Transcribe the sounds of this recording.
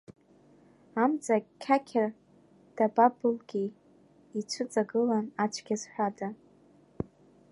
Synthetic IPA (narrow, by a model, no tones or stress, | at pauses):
amt͡sʼakʲʰakʲʰɪr | d̥ababɨlɡʲiː | t͡ʃʷʰɨt͡sʼaɡɨlanat͡ʃʷʰɡʲazħʷᶣada